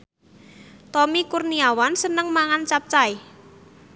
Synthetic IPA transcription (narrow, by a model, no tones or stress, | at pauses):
t̪ɔmikurniawansənəŋmaŋant͡ʃap̚t͡ʃai